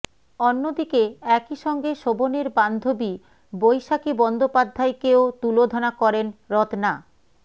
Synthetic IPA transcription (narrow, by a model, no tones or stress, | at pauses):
onːod̪ikeɛkiʃɔŋɡeʃoboneɾband̪ʱobi | bojʃakibɔnd̪opad̪ʱːaekeot̪ulod̪ʱonakɔɾenɾɔt̪na